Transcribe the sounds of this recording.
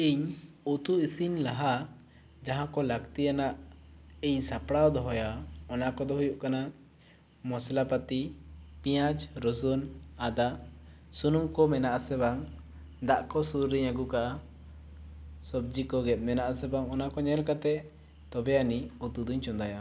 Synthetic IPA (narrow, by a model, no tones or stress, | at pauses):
iɲ | ut̪uisinlaɦa | d͡ʒaɦãkɔlaɡt̪ijanaʔ | iɲsapɽawd̪ɔɦɔjaɔnakɔd̪ɔɦujuʔkana | mɔslapat̪i | pĩjad͡ʒɾɔsɔnad̪a | sunumkɔmɛnaʔasɛβaŋ | d̪aʔkɔsuɾɾiɲaɡuka | sɔb̚d͡ʒikɔɡɛt̪̚ˀmɛnaʔasɛbaŋɔnakɔɲɛlkat̪ɛ | t̪ɔbɛjaniut̪ud̪uɲt͡ʃɔnd̪aja